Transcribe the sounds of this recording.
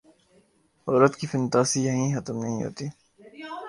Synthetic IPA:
ɔːɾət̪kifɪnt̪aːsijɐɦĩxət̪əmnəɦĩɦo̰ːt̪iː

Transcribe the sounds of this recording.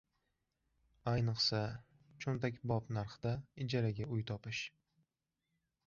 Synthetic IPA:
ajnɨqsa | t͡ʃʰont̪akʲbɒpnaɾχɨd̪̥aɪd͡ʒaɾaɡʲaʊjt̪ʰɒpɪʃ

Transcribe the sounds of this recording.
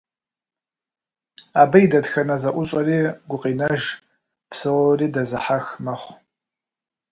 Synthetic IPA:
aːbɐjdɐtxɐnɐzɐʔʷʊɕʼɐriːɡʷʊqʼinɐʒ | pʰsɨʁɔriːdɐzɨħaxmɐχʷ

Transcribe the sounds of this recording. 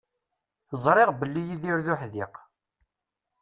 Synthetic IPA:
əzˤɾˤeʁbəlːijiðiɾðʊħðiq

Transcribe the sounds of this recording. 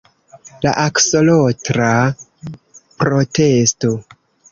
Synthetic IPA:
la̰ʔakso̞lotɾa | pɾo̞te̞sto̞

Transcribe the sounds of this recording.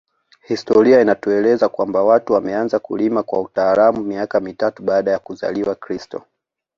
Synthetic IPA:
histɔɾiainatuɛlɛzakwambawatuwamɛanzakṵlimakwa̰utaːlamumiakamitatuɓaːɗajakuza̰liwakɾistɔ̰

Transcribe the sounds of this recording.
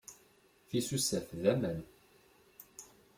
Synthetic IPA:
θisusæθðæmən

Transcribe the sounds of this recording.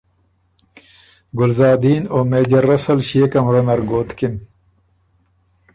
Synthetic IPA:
ɡʊlzɑːd̪iːnoːmeːd͡ʑɐɾːɐsɐlɕeːkɐmɾɐnɐɾɡoːt̪kin

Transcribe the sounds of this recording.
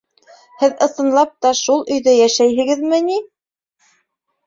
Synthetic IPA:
hɘðɤ̆θɤ̆nlˠɑp̚t̪ɑʃulˠɵ̆jðɘjæʃæjɦɘ̆ɡɘ̆ðmɘni

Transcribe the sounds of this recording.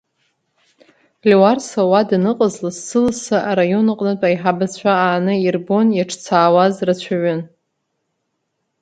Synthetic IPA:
lewarsawadnɨqʼəzlɨzːɨlsaʔaɾajo̞nɨqʼnɨt͡pʼaiħabat͡ɕʷʰaaːnɨirbo̞njaʈ͡ʂʰt͡sʰaːwazrat͡ɕʷʰaʕʷʊn

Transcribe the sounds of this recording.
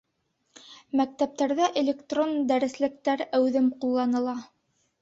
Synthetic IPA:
mæk̚t̪æp̚t̪æɾðæʔelʲekt̪rond̪æɾɘ̆slɘ̆k̚t̪æɾæwðɘmqulˠːɑnɤ̆lˠɑ

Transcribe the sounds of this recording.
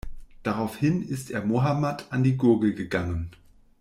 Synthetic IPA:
d̥aʁaʊfhɪnɪstʔeːɐmoɦamatʰandiːɡʊɐɡl̩ɡəɡaŋən

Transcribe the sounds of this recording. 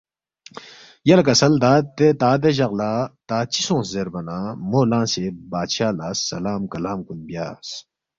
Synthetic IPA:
jɐlkɐsɐld̪aːt̪ːet̪aːd̪eʑɐɣlaːt̪aːt͡ɕisõːszeɾbɐnãːmoːlãːsebaːɕaːlaːsːɐ̰laːmkɐlaːmkunbja̰ːs

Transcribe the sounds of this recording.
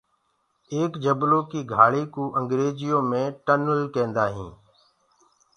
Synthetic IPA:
eːkd͡ʒəbloːkiːɡʱaːɭiːkuːʔəŋɡɾeːd͡ʒɪjõːmẽːʈənəlkẽːnd̪aːɦḭ̃ː

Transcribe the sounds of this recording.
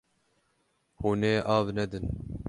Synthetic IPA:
huneːʔɑːvnɛd̪ɨn

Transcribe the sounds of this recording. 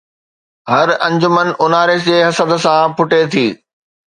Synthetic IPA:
ɦɐɾɐ̃ɲd͡ʑʊmən̆ʊnaːɾeseːɦɐsəd̪̆sãpʰʊʈet̪ʰiː

